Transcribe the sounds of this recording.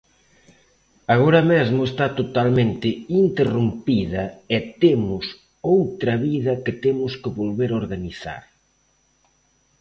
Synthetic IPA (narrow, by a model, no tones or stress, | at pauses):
aɣoɾɐmezmʊest̪at̪ot̪almẽnt̪ɪint̪erumpiðɐɛt̪emʊs | owt̪ɾɐβiðɐkɪt̪emʊskɪβolβeɾoɾɣaniθa̰ɾ